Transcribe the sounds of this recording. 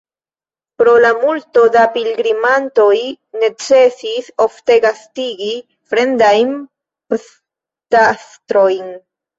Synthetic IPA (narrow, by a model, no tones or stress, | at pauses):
pɾolamult̪od̪apilɡɾimant̪oj | net͡sesisoft̪eɡast̪iɡi | fɾend̪ajm | p | t̪ast̪ɾojn